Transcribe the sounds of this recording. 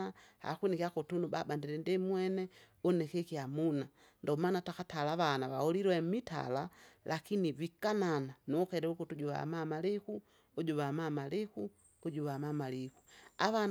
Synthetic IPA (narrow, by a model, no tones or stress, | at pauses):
aha̰kunikiakɔtunubabandiɾɛndimwɛnɛ | ɔnɛkɛkiamuna | ndɔmanatakatalaβanaβahɔliɾwɛmita̰lalʔakinivikanananuɔkɛɾɛukutuɟuβa̰mamaliku | ɔɟuβamamaliku | ɔɟuβamamalikuaβan